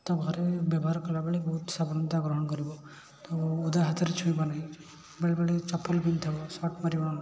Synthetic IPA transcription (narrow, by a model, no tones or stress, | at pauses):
t̪ɔbɡaɾebjabɔɦaɾkɔlabeɭebɔɦut̪sabɔnɔnt̪aɡɾɔɦɔɳkɔɾibɔ | t̪ɔud̪aɦat̪aɾet͡ʃʰũibanaɦĩ | beɭbeɭet͡ʃɔpɔlbint̪ʰabɔsɔʈmaɾibaa